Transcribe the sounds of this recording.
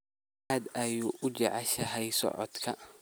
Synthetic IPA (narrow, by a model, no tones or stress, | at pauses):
ɐd̪ɐjuːʔʊd͡ʒɐʕɑʃɐɦɛjsɔ̰ʕɔ̰d̪kʰɐ